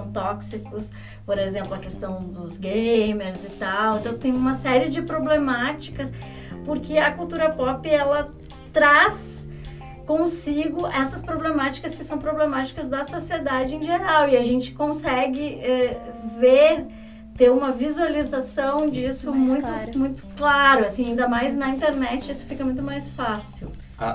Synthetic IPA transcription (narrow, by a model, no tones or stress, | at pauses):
w̃t̪ɔksikʊs | poɾezẽmplʊɐkest̪ɐ̃w̃d̪ʊzɡejmeɾzɪt̪awẽnt̪ɐ̃w̃t̪ẽj̃ũmɐsɛɾɪd͡ʒɪpɾoblemat͡ʃi̥kɐs | pʊɾkʰɪɐkuwt̪uɾɐpɔpɪɛlɐ | t̪ɾas | kõsiɡʊʔɛsɐspɾoblemat͡ʃi̥kɐskɪsɐ̃w̃pɾoblemat͡ʃi̥kɐzd̪ɐsosied̪ad͡ʒɪẽj̃ʒeɾawɪaʒẽnt͡ʃɪ̥kõsɛɡɪɛveɾ | t̪eɾũmɐvizualizasɐ̃w̃d͡ʒisʊmũj̃t̪ʊmũj̃t̪ʊ̥klaɾʊasĩaĩd̪ɐmajznɐĩnt̪eɾnɛt͡ʃɪisʊ̥fikɐmũj̃t̪ʊmajsfasiw̰